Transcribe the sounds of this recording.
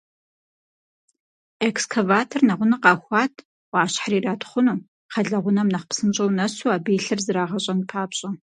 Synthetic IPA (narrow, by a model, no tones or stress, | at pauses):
ekskʰɐvaːtʰornɐʁʷʊnɨqɑːxʷɑːtʰ | wɑːɕħriːraːtχʷʊnuː | χɐɮɐʁʷʊnɐmnɐχpsɨnt͡ʃʼɐwnɐsuaːbeːɬɨrzɨɾaːʁɐɕʼɐnpʰaːpɕʼɐ